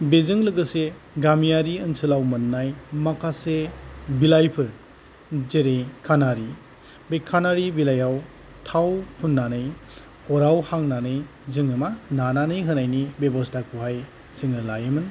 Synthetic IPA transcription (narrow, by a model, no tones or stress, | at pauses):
bezɯŋlɯɡɯse | ɡamijaɾiɯnsɯlawmɯnːajmakʰasebilajpʰɯɾ | zeɾekʰanaɾi | bekʰːanaɾibilajaw | tʰawpʰunːanɯj | ɔɾawhaŋnanɯj | zɯŋɯmanananɯjɦɯnajnibebɔstʰakʰuɦaj | siŋɯlajɯmɯn